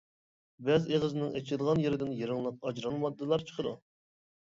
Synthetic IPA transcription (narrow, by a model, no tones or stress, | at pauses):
bɛzeʁəzɪnɪŋet͡ʃʰɪd̪əʁɑnjeɾɪd̪ɪnjeɾɨŋlˠəq̚ɑd͡ʒɾɑnˠmɑd̪ːɨlˠɑɾt͡ʃʰə̥qʰəd̪ṵ